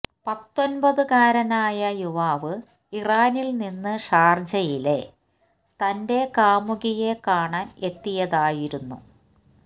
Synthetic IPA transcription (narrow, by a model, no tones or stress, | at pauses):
pɐt̪ːo̞nbɐðɨkaːɾɐnaːjɐjuʋaːʋɨ | iraːnilninːɨʂaːrd͡ʑɐjile̞ | t̪ɐnde̞kaːmuɣije̞kaːɳaːne̞t̪ːijɐðaːjiɾunːṵ